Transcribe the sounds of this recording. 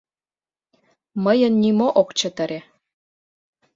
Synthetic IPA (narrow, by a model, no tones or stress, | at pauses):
məjə̆nːimoʔokt͡ɕə̆t̪ə̆ɾe